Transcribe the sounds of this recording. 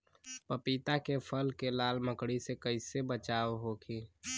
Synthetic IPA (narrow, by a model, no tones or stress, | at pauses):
pəpiːt̪akepʰəlkelaːlməkɽisekəɪsebət͡ʃaːʋɦokʰiː